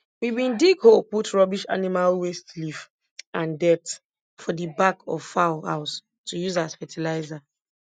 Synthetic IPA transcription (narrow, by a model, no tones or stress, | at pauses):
wibĩndiɡholputɹɔbiʃa̰nimalwestlif | ãndɛt | fɔdibakʰɔ̰v̥faʊlha̰ʊs | tʰujuzazfɛtʰilaɪza